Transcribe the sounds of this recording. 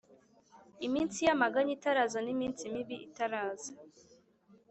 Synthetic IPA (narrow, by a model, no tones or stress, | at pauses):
imiːnsijamaɡaɲitaɾazonimiːnsimiβiʔitaɾaːza